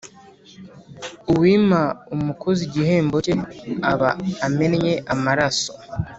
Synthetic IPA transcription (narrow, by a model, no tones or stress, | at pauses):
uwiːmaumukʰoziɟihe̞ːmboceaβaːmenjeʔamaɾaso